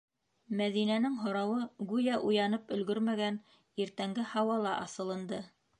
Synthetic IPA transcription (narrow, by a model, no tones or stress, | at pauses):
mæðinænɘŋɦŏɾɑwɤɡʉjæʔujɑnɤpɵ̆lɡɵɾmæɡæn | iɾt̪æŋɡɘhɑwɑlˠɑʔɑsɤ̆lˠɤ̆nd̪ɤ